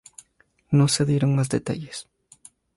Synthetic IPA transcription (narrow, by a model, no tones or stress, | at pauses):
no̞seðjeɾoŋmazd̪et̪a̰ʝes